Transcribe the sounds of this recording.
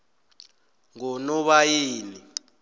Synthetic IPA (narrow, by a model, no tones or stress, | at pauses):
ŋɔnɔɓajeːni